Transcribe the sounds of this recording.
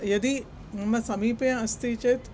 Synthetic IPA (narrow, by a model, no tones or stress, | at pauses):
jɐd̪i | mɐ̃sɐmiːpjɐ̃ɐst̪it͡ʃet̪